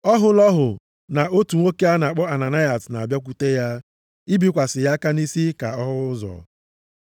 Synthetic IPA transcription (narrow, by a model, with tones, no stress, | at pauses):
ɔ˦ɦʊ˦lɔ˦ɦʊ˨ | na˨o˦tu˨ŋʷo˦ke˦a˦na˨k͡pɔ˦a˨na˨na˦ja˨sna˨a˨bja˦k̬u˦te˦ja˦ | i˦bi˦kʷa˨sɪ˨ja˦ka˦ni˦si˦ka˨ɔ˦ɦʊ˦zɔ̰˨